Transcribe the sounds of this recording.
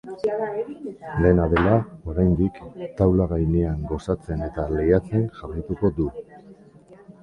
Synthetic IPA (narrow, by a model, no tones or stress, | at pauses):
le̞naðe̞lao̞ɾajnd̪ikt̪awlaɣajneaŋɡo̞sat͡se̞ne̞t̪alejat͡se̞ŋʝarajt̪uko̞d̪u